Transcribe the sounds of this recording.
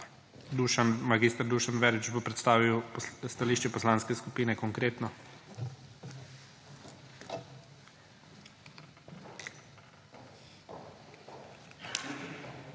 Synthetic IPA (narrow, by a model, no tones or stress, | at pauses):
d̪uʃanmaɡist̪əɾd̪uʃanʋɛɾʋit͡ʃbopɾɛt̪st̪aːʋiwst̪aliːʃt͡ʃɛpɔslaːnskɛskupiːnɛkɔŋkɾeːt̪nɔ